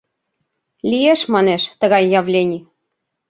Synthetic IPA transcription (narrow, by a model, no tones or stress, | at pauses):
lʲijeʃmɑneʃt̪ə̆ɣɑjːɑvlʲenʲi